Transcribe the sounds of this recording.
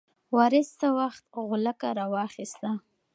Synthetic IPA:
wɑɾɪst̪awaxt̪̚ɣʊlakaɾɑwɑxɪst̪a

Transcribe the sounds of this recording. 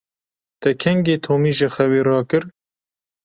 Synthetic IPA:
t̪ɛkʰɛŋɡeːt̪ʰoːmiːʒɪxɛweːɾɑːkɨɾ

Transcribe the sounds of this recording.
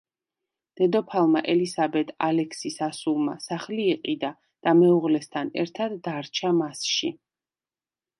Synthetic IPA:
d̪̥ɛd̪ɔpʰalˠmaʔɛlisabɛt̪ʰalɛksisasulˠmasaχliːqʼid̪a | d̪̥amɛuʁlɛst̪ʰanɛ̰ɾt̪ʰad̪ːaɾt͡ʃʰamasʃi

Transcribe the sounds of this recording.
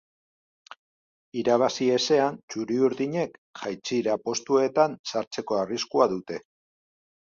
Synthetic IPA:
iɾaβ̞asie̞se̞ant͡ʃuɾiuɾðiɲe̞kʝajt͡siɾapo̞st̪ue̞t̪ansaɾt͡se̞ko̞ariskuaðut̪e̞

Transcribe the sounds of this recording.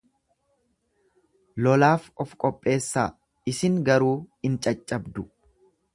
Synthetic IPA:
lɔlaːfɔfkʼɔpʼːe̞ːsːa̰ː | ɪsɪŋɡɐɾuːɪnt͡ʃʼɐt͡ʃʼːɐbd̪ʊ

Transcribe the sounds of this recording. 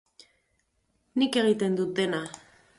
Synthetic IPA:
nike̞ɣ̞it̪e̞nd̪ut̪̚d̪e̞na

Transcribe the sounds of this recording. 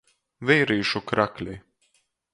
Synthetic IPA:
vɛjɾiːʃukɾaklʲi

